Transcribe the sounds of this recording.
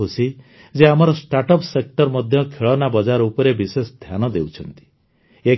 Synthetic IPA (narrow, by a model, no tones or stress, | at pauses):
usi | d͡ʒeamɔɾɔsʈaʈɔpsek̚ʈɔɾmɔd̪ʱjɔkʰeɭɔnabɔd͡ʒaɾupɔɾebisesd̪ʱʰjanɔd̪ewt͡ʃʰɔnt̪i̥ | e